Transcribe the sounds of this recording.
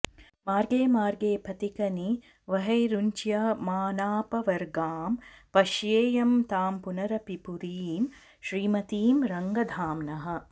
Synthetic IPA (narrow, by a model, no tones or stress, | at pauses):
maːɾɡeːmaːɾɡeːpʰɐt̪ikɐni | ʋɐɦɐjɾuɲt͡ʃjɐmaːnaːpɐʋɐɾɡaːmpɐʃjeːjɐmt̪aːmpunɐɾɐpipuɾiːm | ʃɾiːmɐt̪iːmɾɐŋɡɐd̪ʱaːmnɐɦɐ̆